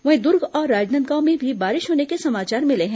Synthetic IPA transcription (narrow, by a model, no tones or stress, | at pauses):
ʋɐɦẽd̪ʊɾɡɔːɾːaːd͡ʒnə̃nt̪̚ɡamẽbʱibaːɾɪʃɦoːnekesɐmaːt͡ʃaːɾmɪleɦɛ̃